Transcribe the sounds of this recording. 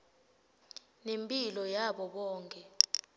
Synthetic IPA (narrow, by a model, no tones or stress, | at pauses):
nempʼilɔjaɓɔɓɔːŋkʼɛ